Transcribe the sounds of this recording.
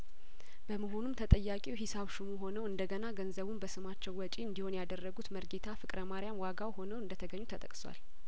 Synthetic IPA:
b̥əməɦo̞numt̪ʰət̪ʼəjːakʼiwɦisaβʃumuɦo̞nəwɨnd̪əɡənaɡənzəβumbəsɨmat͡ʃːɛwːɔt͡ʃʼiɨnd̪ihunjad̪ərːəɡut̪məɾɡet̪ʰafɨkʼɾəmaɾijamwaɡawho̞nəwɨnd̪ət̪ʰəɡəɲːut̪ʰət̪ʼəkʼswa̰l

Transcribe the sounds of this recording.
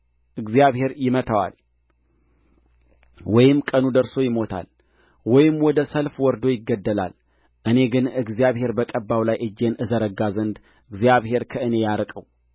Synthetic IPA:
ʔɨɡzijaβhe̞ɾjɪmət̪ʰawa̰l | wɔjɪmkʼənud̪əɾso̞jɪmo̞t̪ʰa̰l | wɔjɪmːwɔd̪əsəlfwɔɾd̪o̞jɪɡːəd̪ːəla̰l | ʔɨne̞ɡɨnɨɡzijaβhe̞ɾbəkʼəbːawlajʔɨd͡ʒːe̞nɨzəɾəɡazənd̪ | ɨɡzjaβhe̞ɾkʰəɨne̞jaɾəkʼəw

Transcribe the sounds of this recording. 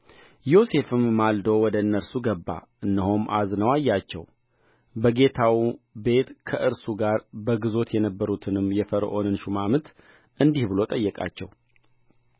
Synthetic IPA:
jo̞se̞fɨmːald̪o̞wɔd̪əɨnːəɾsuɡəbːa̰ʔɨnːəɦomʔa̰znəwajːat͡ʃːɛ̰w | bəɡe̞t̪ʰawbe̞t̪kʰəʔɨɾsuɡaɾbəɡɨzo̞t̪jɛnəbːəɾut̪ʰɨnɨmːjɛfəɾ̰ʔo̞nɨnʃumamɨt̪ | ʔɨnd̪ihbɨlo̞t̪ʼəjːɛkʼa̰t͡ʃːɛ̰w

